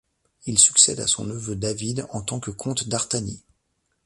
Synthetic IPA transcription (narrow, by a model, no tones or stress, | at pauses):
ilsy̥ksɛd̪a̰sɔ̰̃nəvød̪avid̪ɑ̃t̪ɑ̃kəkʰɔ̃t̪d̪aʁt̪ani